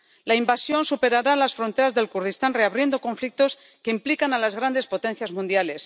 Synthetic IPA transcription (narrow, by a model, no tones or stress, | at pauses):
laimbasjo̞nsupe̞ɾaɾalasfɾo̞nt̪eɾazðe̞lkuɾð̞ist̪anre̞aβɾje̞nd̪o̞ko̞ɱflik̚t̪o̞s | ke̞implikanalazɣɾand̪e̞spo̞t̪e̞nθjazmũnd̪jale̞s